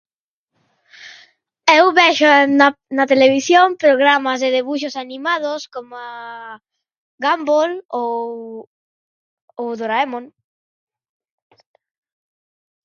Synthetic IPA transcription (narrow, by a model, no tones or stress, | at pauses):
ewβeʃonnat̪eleβ̞isjoŋpɾoɣɾamazðeðeβ̞uʃ̬osanĩmað̞oskomoa | ɡambolo | oðoɾaemõŋ